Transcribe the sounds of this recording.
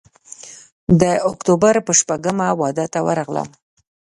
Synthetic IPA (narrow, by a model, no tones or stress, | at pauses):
d̪əʊkt̪obaɾpəʃpaɡəmawɑd̪ət̪awə̰ɾɑɣlə̰m